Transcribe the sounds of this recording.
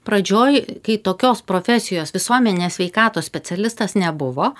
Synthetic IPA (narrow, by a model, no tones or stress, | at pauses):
pɾɐd͡ʒʲoːjkɐɪt̪oːkʲoːspɾoːfʲɛsʲɪjoːsʋʲɪsuɔmʲɛnʲɪnʲeːsʲʋʲɛɪkɑːt̪oːsʲpʲɛt̪sʲɛlʲɪst̪ɐsnʲɛbʊʋoː